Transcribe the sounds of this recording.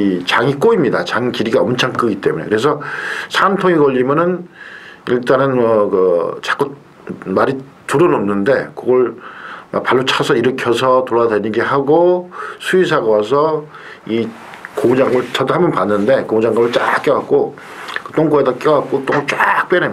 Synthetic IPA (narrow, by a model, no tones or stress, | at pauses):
it͡ɕaŋik͈oimɲidat͡ɕaŋikiɾiɡaʌmt͡ɕʰaŋk͈ɯɡit͈e̞mune̞kɯɾe̞sʰʌsʰantʰoŋikʌʎːimjʌnɯn | iɭt͈anɯnmʌkɯt͡ɕḁk͈u | maɾi | tuɾʌnomnɯnde̞kɯɡʌɭma̰paɭːot͡ɕʰasʰʌiɾɯkʰjʌsʰʌtoɾwadweɲinɡeɦaɡosʰuisʰaɡawas̬ʰʌ | i | komud͡ʑaŋɡɯɭt͡ɕʌdohambʌnpanːɯnde̞komud͡ʑaŋɡamɯɭt͡ɕ͈ak͈jʌwak̚k͈o | kɯt͈oŋɡoedak͈jʌwak̚k͈ot͈oŋoɭt͡ɕ͈ak̚p͈ene